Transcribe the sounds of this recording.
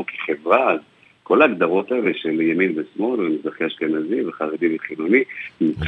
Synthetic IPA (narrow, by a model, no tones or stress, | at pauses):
ki̥χevʁaz | ko̞laːɡd̪aʁo̞t̪aeleʃeljaminvesmo̞lvemezaχeaʃkenaziveχaʁed̪iveχilunimit